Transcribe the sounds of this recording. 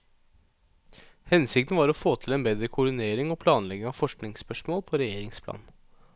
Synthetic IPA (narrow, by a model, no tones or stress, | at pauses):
hɛnsɪk̚t̪n̩ʋɑːɾɔfoːt̪ʰɪlɛːnbeːd̪ɾəkʰʊɖɪneːɾɪŋɔpʰlɑːnlɛɡɪŋɑʋfɔʂknɪŋspœʂmoːlpʰɔɾɛjeːɾɪŋspʰlɑ̰ːn